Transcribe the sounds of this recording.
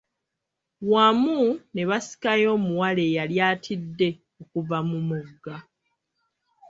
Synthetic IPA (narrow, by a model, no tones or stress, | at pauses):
wamune̞βasi̥kajo̞ːmuwale̞ːjaljaːtʰidːe̞ | okuvamumuɡːa